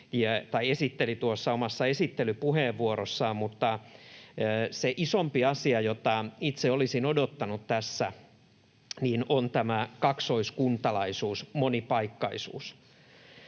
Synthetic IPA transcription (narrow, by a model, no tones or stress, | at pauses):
jɑt̪ɑiesit̪ːelit̪uosːɑomɑsːɑesit̪ːelypuheːʋːuoɾosːɑːmut̪ːɑː | seʔisompiɑsiɑjot̪ɑit̪seolisinodot̪ːɑnut̪t̪æsːæ | niːnont̪æmækɑksoiskunt̪ɑlɑisuːsmonipɑikːɑisṵːs